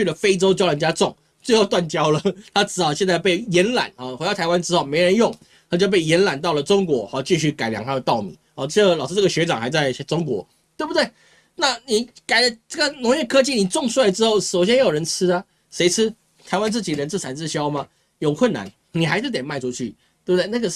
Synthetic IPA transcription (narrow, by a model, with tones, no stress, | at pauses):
y˥˩lə˩fe˥ɪʈ͡ʂo˥ʊt͡ɕjʊlə˧˥nt͡ɕja˥ʈ͡ʂʊ˥˩ŋ | t͡swe˥˧xo˥˧ʊt̪wa˥˨nt͡ɕjɑ˥ʊlə˨˩t̪ʰa˥ʈ͡ʂɻ̩˧˥ɑ˨˩ʊɕjɛ˥˧nt͡sa˥˧ɪpe˥˩ɪjɛ˧˥nla̰˨˩˦nhɔ˨˩xwe˧˥dɑ˥˩t̪ʰa˧˥ɪwa˥nʈ͡ʂɻ̩˥xo˥ʊme˧˥ɪɻə˧˥njʊ˥˩ŋ | t̪ʰa˥˩t͡ɕjo˥˧ʊp̬e˥˩ɪjɛ˧˥nla˨˩nt̪ɑ˥˩ʊlə˩ʈ͡ʂʊ˥ŋkwɔ˧˥hɔ˥˧t͡ɕi˥˧ɕy˥˩ka˨˩ɪlja˧˥ŋt̪ʰa˥d̪ə˩t̪ɑ˥˩ʊmḭ˨˦hɔ˧˩ə˥˩ɡə˧˩lɑ˨˩ʊʂɻ̩˥˧ʈ͡ʂɤ˥˩ɡə˩ɕɥɛ˧˥ʈ͡ʂɑ˨˩ŋxa˧˥ɪt͡sa˥˩ɪʈ͡ʂʊ˥ŋkwɔ̰˧˥ | t̪we˥˩ɪbu˩t̪we˥˩ɪ | na˥˩ni˨˩ka˨˩ɪə˦ʈ͡ʂə˥˩ɡə˩nʊ˧˥ŋjɛ˥˩kʰɤ˥t͡ɕi˥˩ni˨˩ʈ͡ʂʊ˥˧ŋswa˥˩ɪʈ͡ʂɻ̩˥xo˥˩ʊʂo˨˩ʊɕ̬jɛ˥njjo˨˩ɻə˧˥nt͡s̩ʰ˥ta˥ | ʂe˧˥ɪt͡s̩ʰ˥ | t̪ʰa˧˥ɪwa˦nt͡sɹ̩˥˩t͡ɕi˨˩ɻə˧˦nt͡s̩ʰ˥˩t͡sʰa˨˩nt͡s̩˥˧ɕjɑ˥ʊmɐ˨ | jo˨˩ʊkʰwə˥˨nːa̰˨˦n | ni˨˩xa˧˥ɪʂ̩˥˩t̪jɛ˨˩nma˥˧ɪʈ͡ʂʰu˥˧t͡ɕʰy̰˥˩ | t̪we˥˩bu˨t̪e˥˧˩na˥˩ɡə˩